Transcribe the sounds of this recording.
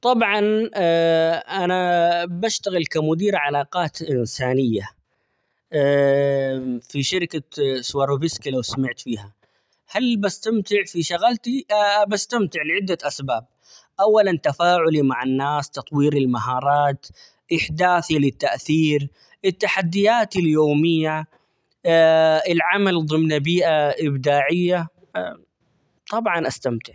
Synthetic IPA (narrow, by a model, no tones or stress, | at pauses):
t̪ˤɑbʕɑn | ʔanabaʃt̪aɣɪlkamʊd̪iːɾʕalɑːqɑːt̪ʔɪnsaːnɪjːa | fiʃɪɾɪkaswɑɾˤubɪskilawsamɪʕt̪fiːha | halbast̪amt̪ɪʕfiʃaɣalt̪ibast̪amt̪ɪʕlʕɪd̪ːaʔasbaːb̚ | ʔawːalant̪afaːʕʊlimaʕanːaːst̪ɑt̪ˤwiːɾɪlmaɦɑːɾˤɑːt̪ | ʔɪħd̪aːθilɪt̪ːaʔθiːɾ | ʔɪt̪ːaħad̪ːɪjaːt̪ɪljoːmɪjːa | ɪlʕamalðˤɨmnabiːʔaʔɪbd̪aːʕɪjːa | t̪ˤɑbʕɑnʔast̪amt̪ɪʕ